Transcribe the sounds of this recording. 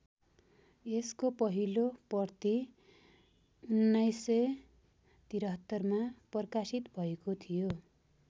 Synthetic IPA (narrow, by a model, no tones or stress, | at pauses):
eskopʌɦilopʌrt̪i | unːʌjsːʌ | t̪iɾʌɦʌt̪ːʌrmapʌrkasit̪bʱʌekot̪ʰijo